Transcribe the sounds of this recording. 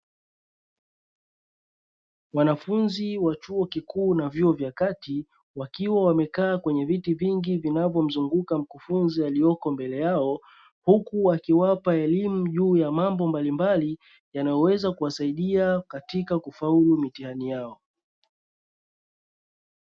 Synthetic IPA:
wanafunziwat͡ʃuɔkikuːnavjuɔvjakati | wakiwawamɛkaːkwɛɲɛvitiviŋɡivinavjɔm̩zuŋɡukam̩kufunzialijɔkɔmbɛlɛjaɔ | hukuwakiwapaɛlimuʄuːjamambɔmbalimbali | janajɔwɛzakuwasaiɗiakatikakufaulumitihanijaɔ

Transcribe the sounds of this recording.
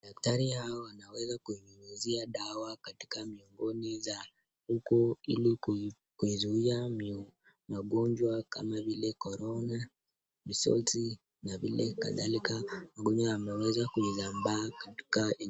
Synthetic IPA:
ɗak̚taɾihaɔwanawɛzakuiuuziaɗawakati̥kamiɔŋɡɔniza | hukɔḭli | kuizuiam | maɠɔɲd͡ʒwaka̰mavilɛkɔɾɔna | misɔ̰lti | navilɛ̰ka̰ða̰likamaɠɔɲd͡ʒwaamɛwɛzakuizambaːkati̥ka

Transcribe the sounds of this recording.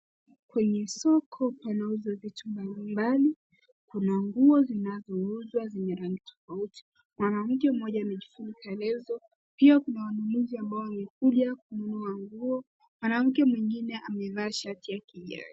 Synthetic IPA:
kwɛɲɛsɔkʰɔpanauzwavitumbalimbali | kunaŋɡuɔzinazɔuzwaziɲɛɾaŋɡitɔ̥fauti̥ | mwanam̩kɛm̩mɔʄaːmɛʄifunikaɛlɛzɔ | piakunawanunuziambaɔwamɛkuʄak̚ununuaŋɡuɔ | mwanam̩kɛmwiŋɡinɛʔamɛvaːʃatijakiʄa̰ɾi

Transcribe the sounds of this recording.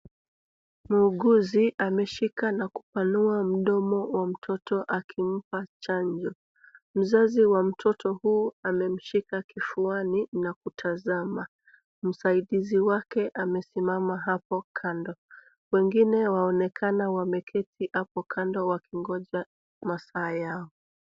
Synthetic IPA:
muːɠuziʔamɛʃikanaku̥panuam̩ɗɔmɔwam̩tʰɔtɔʔakʰim̩pat͡ʃaɲd͡ʒɔ | m̩zaziwam̩tʰɔtɔhuːamɛm̩ʃikakifuaninakutʰazama | m̩saiɗiziwakɛʔamɛsimamaɦapɔkʰandɔ | wɛŋɡinɛwaɔnɛkʰanawamɛkʰɛtʰihapɔkʰandɔwakʰiŋɡɔʄa | masaːjaɔ

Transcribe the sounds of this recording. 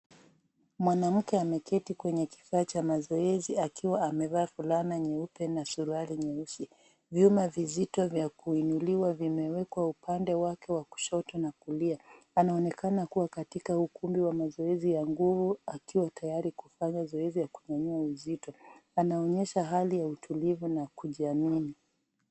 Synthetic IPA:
mwanam̩kɛamɛkɛtikwɛɲɛki̥faːt͡ʃamazɔɛziakʰiwaːmɛvaːfulanaɲɛupɛnasuɾualiɲɛusi | vjumavizitɔvjakuinuliwavimɛwɛkwaupandɛwakɛwaku̥ʃɔtɔnakulia | anaɔnɛkanakuwakatikahukumbiwamazɔɛzijaŋɡuvuakiwatajaɾikufaɲazɔɛzijakuɲaɲuauzitɔanaɔɲɛʃaɦalijautʰulivunakuʄiamini

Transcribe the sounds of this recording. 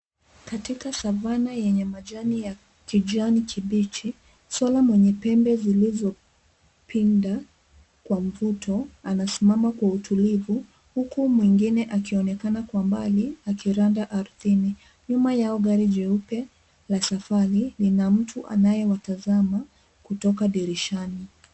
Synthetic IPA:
katikasavanajɛɲɛmaʄanija | kid͡ʒanikʰiɓit͡ʃi | swalamwɛɲɛpɛmbɛzilizɔ | pʰinda | kwam̩vutʰɔanasimamakwautʰulivu | hukumwiŋɡinɛʔakiɔnɛkanakwamba̰liakiɾandaʔaɾuθini | ɲumajaɔɡaɾiʄɛupɛ | lasafaɾilinam̩tʰuʔa̰najɛwatazama | kutɔkaɗiɾiʃani

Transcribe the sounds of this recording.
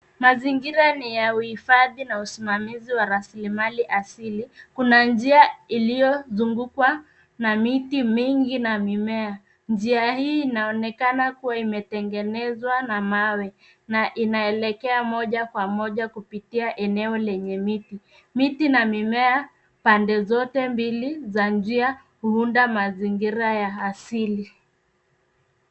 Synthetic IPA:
maziŋɡiɾanijauhifaðinausimamiziwaɾasilimaliʔasilikunand͡ʒiailijɔzuŋɡukwa | namitimiŋɡinamimɛa | nd͡ʒiahiːnaɔnɛkanakuwaimɛtɛŋɡɛnɛzwanamawɛ | naʔinaɛlɛkɛamɔʄakwamɔʄakupitiaʔɛnɛɔlɛɲɛmiti | mitinamimɛa | pandɛzɔtɛmbilizand͡ʒia | huundamaziŋɡiɾajaːsili

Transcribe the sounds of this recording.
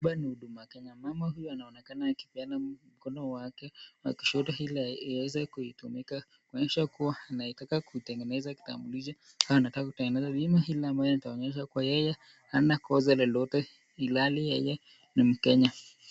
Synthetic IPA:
ɓaniuɗumakɛɲamamaɦujɔanaɔnɛkanaːki̥pianam̩kɔnɔwakɛwa̰ki̥ʃɔtɔhilaiwɛzɛkuitumika | kuɔɲɛʃakuwaanaitakakuitɛŋɡɛnɛzaki̥ta̰mbulid͡ʒa | haanatakakutɛŋɡɛnɛzaɓimahilaambajɔnitaɔɲɛʃ̬akuwajɛjɛ | hanakɔzalɛlɔtɛ | ilalijɛjɛ | nim̩kɛɲa

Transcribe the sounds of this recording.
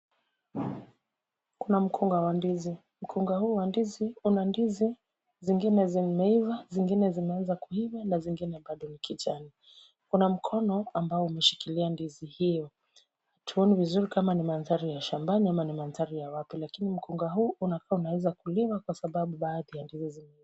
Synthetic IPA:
kunam̩kʰuŋɡawandizi | m̩kʰuŋɡahuːwandiziunandizi | ziŋɡinɛzimɛivaziŋɡinɛzimɛanzakuivanaziŋɡinɛɓaɗɔnikʰit͡ʃani | kunam̩kʰɔnɔambaɔumɛʃi̥kiliandizihijɔ | hatʰuɔnivizuɾikamanimanzaɾijaʃambaniamanimanzaɾijawapilakinim̩kʰuŋɡaɦuːʔunakaːunawɛzakuliwakwasaɓaɓuɓaːðijandizizimiv

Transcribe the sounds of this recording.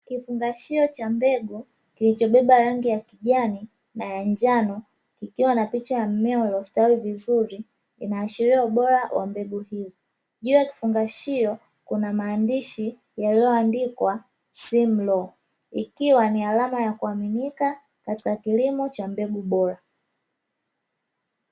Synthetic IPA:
kifuŋɡaʃiɔt͡ʃambɛɡu | kilit͡ʃɔɓɛɓaɾaŋɡijakiʄani | najaɲd͡ʒanɔ | kikiwanapit͡ʃajam̩mɛɔlɔstawivizuɾi | ḭnaːʃiɾiɔuɓɔɾawʔa̰mbɛɡuɦizɔ | ʄujaki̥fuŋɡaʃijɔ | kunamaːndiʃi | jaliɔandikwa | sim̩lɔ | ikiwanialamajakuaminika | kati̥kakilimɔt͡ʃambɛɡuɓɔɾa

